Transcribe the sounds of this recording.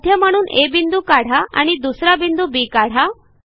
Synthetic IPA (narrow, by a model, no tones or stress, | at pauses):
d̪ʱjəm̤əɽ̃uːnebind̪ukaɽ̤aa̰ɽ̃id̪usɾabind̪ubiːkaɽ̤a